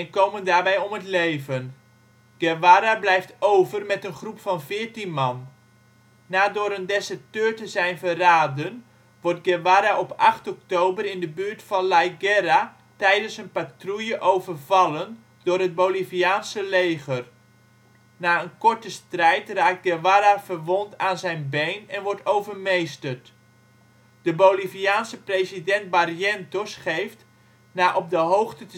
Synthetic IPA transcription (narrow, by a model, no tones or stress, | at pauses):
ɛnkowməndaːɹbɛjɔmətlejvən | ɡ̥ɛwaɾablɛjftowvərmɛtənχrupfɑnvɪːɹtinmɑnː | aːdʊːɾəndɛsətøːɹtəzɛjnvəraːdən | ʋɔɹt̚ɡɛʋaːɾaʔɔpɑχtɔk̚towbərɪndəbyːɹtfɑnlajɡɛɾa | tɛjdənsənpatrujəʔowvərvɑlən | d̥ʊːrɦət̚bowliviaːnsəleːχər | naːənkɔrtəstrɛjtraːk̚t̚ɡɛʋaɾavərʋontaːnzɛjnbejnɛnʋɔɹtowvərmejstərt | d̥əbowliviaːnsəpresidɛnt̚bariɛntosχejft | naːʔɔp̚dəɦowxtət